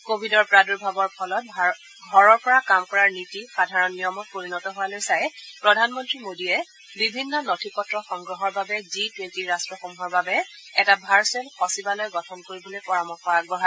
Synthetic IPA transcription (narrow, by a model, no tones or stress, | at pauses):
kobʱidɔɹpɹaduɹbʱabɔɹpʰɔlɔt̚ | ɡʱɔɹɔɹpɔɹakamkɔɹaɹnitixadʱaɹɔnːijɔmɔt̚poɹinɔtɔɦʊwalojsajpɹɔdʱanmɔntɹimodiɛ | bibʱinːɔnɔtʰikɔtɹɔxɔŋɡɹɔɦɔɹbabɛzitwentiɹastɹɔxomuɦɔɹbabɛ | ɛtabʱaɹselxɔsibalɔjɡɔtʰɔnkoɹibolopɔɹamɔxɔɹak̚bɔɦa